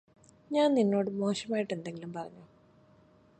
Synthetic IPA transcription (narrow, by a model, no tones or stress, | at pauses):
ɲaːnninːo̞ːɽɨmo̞ːɕɐmaːjiʈːe̞nd̪e̞ŋɡilumpɐrɐɲːu